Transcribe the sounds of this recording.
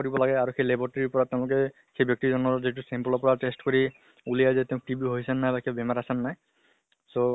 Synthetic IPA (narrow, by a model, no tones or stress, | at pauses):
koɹibɔlaɡɛaɹuxejlebɔɹtaɹiupɔɹatːẽʊ̃lʊk̬ɛ | xejbjɔk̚tizɔnɔɹzit̬usɛmplɔpɔɹatestkoɹi | ulijajzɛtẽʊ̃k̚ʈibiɦojsɛnːajbakʰebemaɹasanːaj | so